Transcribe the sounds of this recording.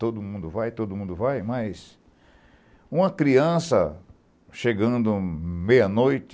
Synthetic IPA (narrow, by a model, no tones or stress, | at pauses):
t̪od̪ʊmũnd̪ʊvajt̪od̪ʊmũnd̪ʊvajmɐjs | ũmɐkɾiɐ̃sɐ | ʃeɡɐ̃nd̪ʊmejɐnojt̪